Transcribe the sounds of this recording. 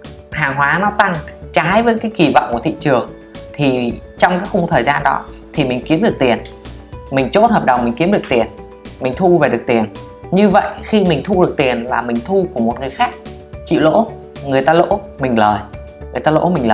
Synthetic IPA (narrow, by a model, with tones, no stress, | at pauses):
haː˨˩ŋɦwaː˨˦nɔ˨˦t̪a˧ŋt͡ɕaː˨˦jvəː˨˦jkaː˨˦jki˨˩vɔ̰˧˨wŋ͡mku˧˩ət̪ḭ˧˨t͡ɕɨ˨˩əŋ | t̪ʰi˨˩t͡ɕɔ˧wŋ͡mkaː˨˦jxʊ˧ŋ͡mt̪ʰəː˨˩jzaː˧nɗɔ̰˨˦t̪ʰi˨˩mï˨˩ŋ̟ki˨˦əmɗɨ˨˩ək̚t̪i˨˩ən | mï˨˩ŋ̟t͡ɕo˦˥t̚həː˨˩p̚ɗə˨˩wŋ͡mmï˨˩ŋ̟ki˨˦əmɗɨ˨˩ək̪̚i˨˩ən | mï˨˩ŋ̟t̪ʰu˧ve˨˩ɗɨ˨˩ək̚t̪i˨˩ən | ɲɨ˧və̰˧˨jxi˧mï˨˩ŋ̟t̪ʰu˧ɗək̚t̪i˨˩ənlaː˨˩mï˨˩ŋ̟t̪ʰu˧ku˧˩əmo˨˩t̚ŋɨ˨˩əjxaː˦˥k̚ | t͡ɕḭ˧˨wlo̰˧˥ | ŋɨ˨˩əjt̪aː˧lo̰˧˥mï˨˩ŋ̟ləː˨˩j | ŋɨ˨˩əjt̪aː˧lo̰˧˥mï˨˩ŋləː˨˩